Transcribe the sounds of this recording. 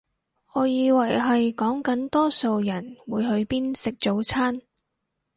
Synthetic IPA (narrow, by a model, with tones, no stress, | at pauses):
ɔː˨˧jiː˧wɐ˨˩jɦɐ˨jkɔː˨˥ŋkɐ˨˥nt̪ɔː˥so˨wjɐ˨˩nwuː˨˧jɦɵ˨˧ɥpiː˥nsɪ˨k̚t͡so˨˥wt͡sʰaː˥n